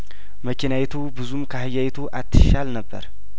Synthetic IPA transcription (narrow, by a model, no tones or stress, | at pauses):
məkʲʰinawet̪ʰubɨzumkʰəhɨjawet̪ʰuʔat̪ʰːɨ̥ʃalnəbːə̰ɾ